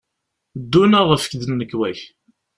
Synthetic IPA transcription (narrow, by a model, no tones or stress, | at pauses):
d̪ːunaʁˤəfə̥kðənːəkːwæç